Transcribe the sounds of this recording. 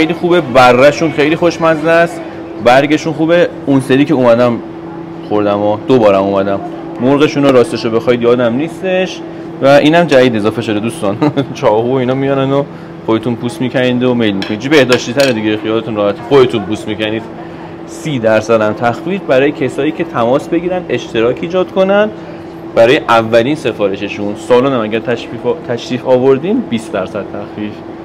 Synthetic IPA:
xejliːxuːbe̞bærːæʃunxejliːxoʃmæzlæs | bæɾɡe̞ʃunxuːbe | unseɾiːceuːmæd̪æm | xoɾd̪æmɔd̪̥obɒːɾæmumæd̪æmː | oɾɣe̞ʃunoɾɒːst̪eʃobexɒid̪jɒːd̪æmniːst̪e̞ʃ | væʔiːnæmd͡ʒæviːd̪e̞zɒːfeʃod̪ed̪uːst̪ɒːnt͡ʃʰɒːhuoinɒmijɒɾænd̪o | xod̪et̪ʰunpʰuːsmiːcʰænind̪ome̞jlmikʰonit͡ʃʰibe̞hd̪ɒːʃt̪it̪ʰæɾed̪iɡexijɒːlet̪unɾɒːhæt̪ʰixod̪e̞t̪ʰunpuːsmicæniːd̪̥ | siːd̪æɾsæd̪æmt̪ʰæxfiːd͡ʒbæɾɒːjecʰesɒːiːcʰʲe̞t̪ʰæmɒːsbe̞ɡiːɾænd̪e̞ʃt̪ʰe̞ɾɒːcʰiːd͡ʒɒːd̪̥kʰo̞nænd̪ | bæɾɒːjeʔævːæliːnse̞fɒːɾe̞ʃeʃunsɒːluːnæmæɡæɾt̪ʰæit̪ʰæʃɾiːfɒːvoɾd̪iːmbiːsd̪æɾsæd̪̥t̪ʰæxfiːd͡ʒ

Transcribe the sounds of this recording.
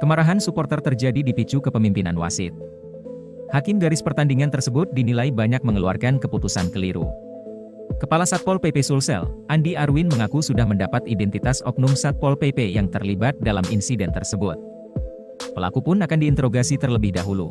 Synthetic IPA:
kəmaɾaɦansupɔrt̪ərt̪ərd͡ʒadidipit͡ʃukəpəmimpinanwa̰sɪ̰t̪̚ | hakɪmdaɾɪspərt̪andiŋant̪ərsəbʊt̪̚dinilaibaɲak̚məŋəlua̰rkankəput̪usankəliɾṵ | kəpalasat̪̚pɔlpepesulsɛ̰lʔandiaɾwinməŋakusudahməndapat̪idɛnt̪it̪asɔ̰k̚numsat̪̚pɔlpepejaŋt̪ərlibat̪̚dalamʔḭnsidɛnt̪ərsəbʊt̪̚ | pəla̰kupʊnakandiːnt̪əɾoɡasit̪ərləbɪhdaɦulṵ

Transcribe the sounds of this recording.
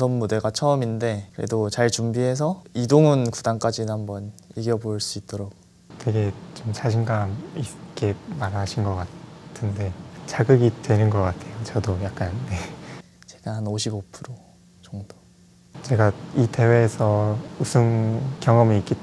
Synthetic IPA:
sʰʌnmude̞ɡat͡ɕʰʌʌminde̞kɯɾḛdot͡ɕaɭt͡ɕumbiɦe̞s̬ʰʌidoŋɯnkudaŋk͈ad͡ʑinɯhambʌniɡjʌboɭs͈uit̚t͈ʌɾok̚ | twe̞ɡe̞t͡ɕomt͡ɕaɕʰiŋɡamik͈e̞maɾaɕʰinɡʌk͈atʰɯnde̞t͡ɕaɡɯɡidwe̞nɯnɡʌk͈atʰe̞jot͡ɕʌdojak̚k͈ane | t͡ɕe̞ɡ̥ahanoɕʰibopʰɯɾo | t͡ɕʌŋdo̥ | t͡ɕe̞ɡaite̞we̞ːsʰʌusʰɯnkjʌŋʌmiik͈i

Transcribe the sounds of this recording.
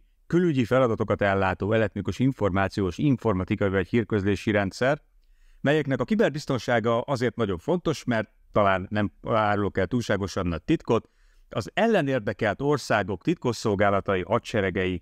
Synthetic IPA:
kylyɟifɛlɒd̪ɒt̪o̞kɒt̪ɛlːaːt̪oːɛlɛt̪mykoʃiɱfo̞rmaːt̪sijoːʃiɱfo̞rmɒt̪ikɒivɒchiːrkøzleːʃiɾɛnt̪sɛr | mɛjɛknɛkɒkibɛrbist̪o̞nʃaːɡɒʔɒzeːrt̪nɒɟo̞ɱfo̞nt̪o̞ʃmɛrt̪ːɒlaːnːɛmaːɾulokɛlt̪uːlʃaːɡo̞ʃɒbnɒc̚t̪it̪ko̞t̪ | ɒzɛlːɛneːrd̪ɛkɛlt̪o̞rsaːɡo̞kt̪it̪kosːo̞lɡaːlɒt̪ɒjiʔɒtʃɛɾɛɡɛji

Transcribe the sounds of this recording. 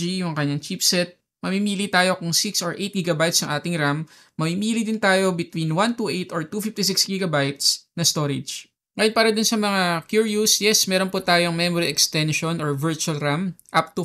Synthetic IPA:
ijʊŋkɐɲːaŋt͡ʃipsɛt̪̚ | mɐmimiːlit̪aːjo̞kʊŋsiksɔɹʔejt̪̚ɡiːɡɐbajt̪sɐŋʔaːt̪ɪŋɾamː | ɐmimiːlid̪ɪnt̪aːjo̞bɪt̪winwant̪uʔɛjt̪oɹt̪uːfift̪isiksɡiːɡɐbajt̪snɐst̪o̞ːɾɛd͡ʒ | ŋɐjonpaːɾɐd̪ʊnsɐmɐŋakjuɹjusjɛsmɛːɾonput̪aːjoŋmɛmoɾiʔɛkst̪ɛnʃonɔɹvɛɹt͡ʃuɐlɾamʔap̚t̪ʊ

